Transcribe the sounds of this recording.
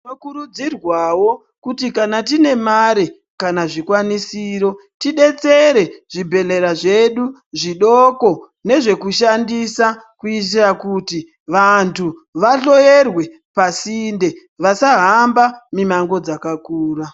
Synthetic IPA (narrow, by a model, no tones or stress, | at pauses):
inokuɾud͡zirwawo̞ | kutikanatine̞maɾe | kanaʐikwanisiːɾo̞tiɗe̞t͡seɾe̞ʐibʱe̞le̞ɾaʐe̞ɗuʐiɗoko̞ | ne̞ʐe̞kuʃandisakuit̬irakuti | ʋantʰuʋaɬo̞je̞rwe̞ | pasinde̞ʋasaɦambamimaŋɡo̞d͡zakakuːra